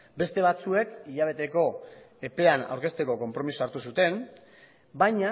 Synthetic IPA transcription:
be̞st̪e̞β̞at͡sue̞kiʎaβ̞e̞t̪e̞ko̞ | e̞pe̞ana̰wɾke̞st̪e̞ko̞ko̞mpɾo̞misoaɾt̪usut̪e̞n | bajɲa

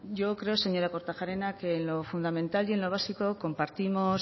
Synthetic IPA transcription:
ɟ͡ʝo̞kɾe̞ose̞ɲo̞ɾako̞ɾt̪axaɾe̞nakeːnlo̞fund̪amẽnt̪alje̞nloβ̞asiko̞ko̞mpaɾt̪imo̞s

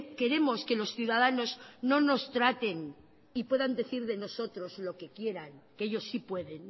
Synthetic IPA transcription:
ke̞ɾe̞mo̞ske̞lo̞sθjuðaðano̞zno̞no̞st̪ɾat̪e̞n | ipwe̞ðand̪e̞θiɾðe̞no̞so̞t̪ɾo̞zlo̞ke̞kje̞ɾaŋkeeʎo̞sːipwe̞ðe̞n

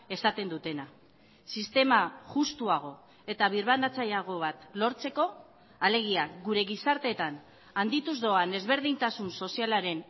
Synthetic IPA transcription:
e̞sat̪e̞nd̪ut̪e̞na | sist̪e̞maʝust̪uaɣ̞o̞ | e̞t̪aβ̞iɾβand̪at͡sajaɣ̞o̞βat̪lo̞ɾt͡se̞ko̞ | ale̞ɣ̞iaɡuɾe̞ɣisaɾt̪e̞t̪an | and̪it̪uzðo̞ane̞zβe̞ɾðint̪asunso̞sialaɾe̞n

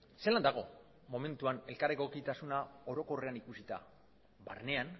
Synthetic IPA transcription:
seland̪aɣ̞o̞ | mo̞me̞nt̪uane̞lkaɾeko̞kit̪asunao̞ɾo̞ko̞re̞anikusit̪a̰ | ba̰rne̞an

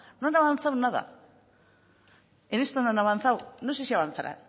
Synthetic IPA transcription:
noanaβanθawnaða̰ | enest̪onoanaβanθawnos̬esiaβanθaɾa̰n

